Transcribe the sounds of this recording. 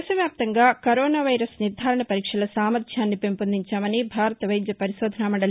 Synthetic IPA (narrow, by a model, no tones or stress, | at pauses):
sɐʋjaːp̚t̪ɐŋɡaːkɐɾɔːnaːʋɐjɾɐsniɾd̪ʱaːɾɐɳɐpɐɾiːkʂɐlɐsaːmɐɾʃjaːnːipempɐnd̪iɲt͡ʃaːmɐnibʱaːɾɐt̪ɐʋɐjd̪jɐpɐɾiʃɔːd̪ʱɐnaːmɐɳɖɐl